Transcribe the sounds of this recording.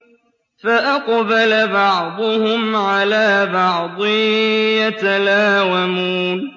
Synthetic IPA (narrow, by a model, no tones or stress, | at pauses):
faʔaqbalabɑʕd̪ˤʊhʊmʕalaːbɑʕd̪ˤɨjat̪alaːwamuːn